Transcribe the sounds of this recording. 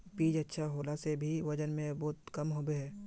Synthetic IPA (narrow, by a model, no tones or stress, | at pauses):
piːd͡ʒɐtːʃʰaɦoːlasebʱiʋɐd͡ʒənmẽbɔːt̪̚kɐmɦobeɦɛː